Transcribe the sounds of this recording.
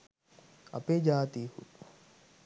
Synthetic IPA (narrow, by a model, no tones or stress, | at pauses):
a̰ped͡ʒaːt̪ihṵt̪